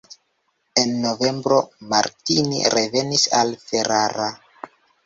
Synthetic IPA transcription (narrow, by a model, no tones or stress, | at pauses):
e̞nːo̞ve̞mbɾo̞maɾtinḭɾe̞ve̞nisalfe̞ɾaɾa